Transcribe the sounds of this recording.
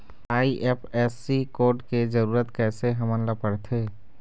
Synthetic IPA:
aːiʔeːpʰɛːsikoːɾʈked͡ʒəɾuːɾət̪kɛːseɦɐmənlapəɽt̪ʰɦeː

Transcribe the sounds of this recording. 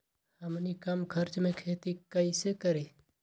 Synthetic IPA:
həmnikəmkʰəɾt͡ʃmẽkʰeːt̪ikəisekəɾe

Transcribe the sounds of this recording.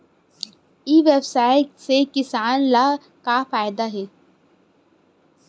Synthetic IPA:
iːʋebsaːɪʈsekɪsaːnlaː | kafaːjd̪aɦɛː

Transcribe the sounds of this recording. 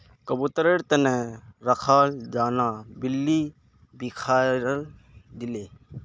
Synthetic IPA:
kəbut̪əɾeɽt̪əneɾɐkʰaːld͡ʒaːnãːbilːiː | bikʰaːɾəl | d̪ɪleː

